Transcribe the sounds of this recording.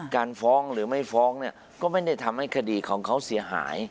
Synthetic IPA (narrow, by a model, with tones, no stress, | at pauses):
kaː˧nfɔː˦˥ŋɾɯː˩˦ma˥˩jfɔː˦˥ŋni˥˩ɐ | kɔː˥˩ma˥˩jda˥˩jt̪ʰa˧mha˥˩jkʰa˧diː˧kʰɔː˩˦ŋkʰa˦˥wsi˩˦ɐɦa̰ː˩˦j